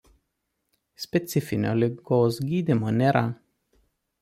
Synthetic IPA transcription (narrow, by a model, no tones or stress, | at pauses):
sʲpʲɛt̪sʲɪfʲɪnʲo̰ːlʲɪɡoːsɡʲiːd̪ʲɪmoːnʲeːɾʔɐ